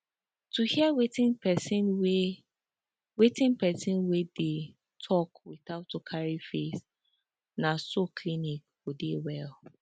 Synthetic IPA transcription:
tuhiawetĩnpɛsinwe | wetĩnpɛsĩnwede | tʰɔkwiθaʊtokʰaɹifes | nasokʰlinikfodewɛl

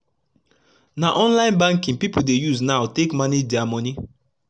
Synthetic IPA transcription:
naʔɔ̃nlãɪ̃nbãŋkĩnpipudejuznaʊtekmanidiamɔni

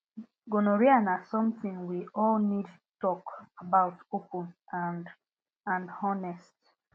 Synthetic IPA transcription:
ɡonoɹianasɔ̃mθĩŋwiʔɔlnidtutɔkabaʊtopə̃nand | ãnɔnɛst

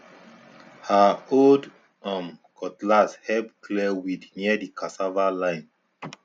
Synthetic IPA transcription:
haold | ãmkʰɔtlashɛbkʰlɛwidniədikʰasavalãɪ̃n

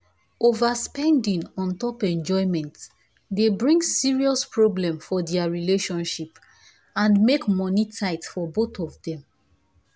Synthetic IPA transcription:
ovaspɛ̃ndĩŋɔ̃ntɔpɛ̃nd͡ʒɔɪmɛ̃nt | debɹĩŋɡsiɹiɔspɹoblɛ̃mfɔdɛaɹileʃɔ̃nʃip | ãnmekmɔnitʰaɪtfɔboθɔvdɛ̃m

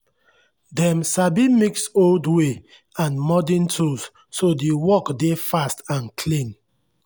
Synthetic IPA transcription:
dɛ̃msabimiksoldwe | ãnmɔdɛ̃ntʰus | sodiwɔkdefastãnkʰlĩn

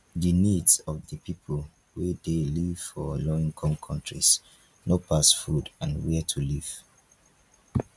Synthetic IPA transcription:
ðənidzɔvðəpʰipʰəl | wedeliv̥fɔlɔĩŋkʰɔ̃mkʰɔ̃ntɹḭs | nopʰasfudãnwɛtʰuliv̥

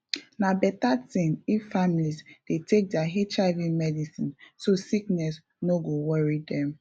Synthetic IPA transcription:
nabɛtatĩniffamilizd̥etek̚dɛaɦet͡ʃavimɛdisĩnsosiknɛs | noɡowɔɹidɛ̃m

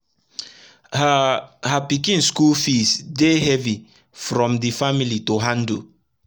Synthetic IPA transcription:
hhapikĩnskulfisdeɦɛvi | fɾɔ̃mdifamilitoɦãndu

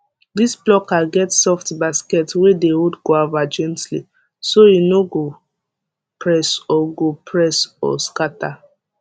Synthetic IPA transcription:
disblɔkaɡɛtsɔftbaskɛtwedeudɡoavad͡ʒɛ̃ntlḭ | sojinoɡo | pʰɹɛsɔɡopʰɹɛsɔ̰skata

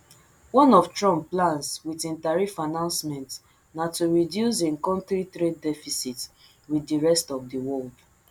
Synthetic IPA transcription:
wɔ̃nɔftɹɔ̃mplãnswitĩntaɹifanãnsmɛ̃nt | natuɹidjus̬ẽŋkɔ̃ntɹitɹeddɛfisit | widiɹɛstɔfdiwɔld

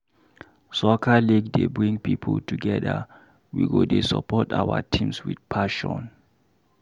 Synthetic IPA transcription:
sɔkʰaliɡdebɹĩŋpʰipʰultʰuɡɛda̰ | wiɡodesa̰pʰɔtawatʰĩmswidpʰaʃɔn

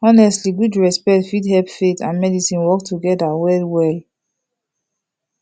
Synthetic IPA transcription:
ɔnɛstliɡudɹɛspɛk̚tfidhɛlpfetʰãnmɛdisĩnwɔk̚tʰuɡɛdawɛlwɛl

